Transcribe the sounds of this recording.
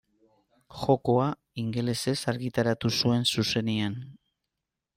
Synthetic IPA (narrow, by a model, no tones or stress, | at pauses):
xo̞ko̞a | iŋɡe̞le̞se̞saɾɣit̪aɾat̪usue̞nsuse̞nian